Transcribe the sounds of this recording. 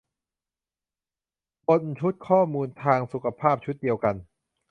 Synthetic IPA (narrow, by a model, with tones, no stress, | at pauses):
po˧nt͡ɕʰu˦˥t̪̚kʰɔː˥˩muː˧nt̪ʰaː˧ŋsu˨˩kʰa˧pʰaː˥˩p̚t͡ɕʰu˦˥t̪̚di˧əwka˧n